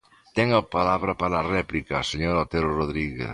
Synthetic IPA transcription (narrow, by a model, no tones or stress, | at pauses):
t̪ɛŋɐpalaβɾɐpaɾaːrɛplikɐseɲoɾot̪eɾoroðɾiɣḛθ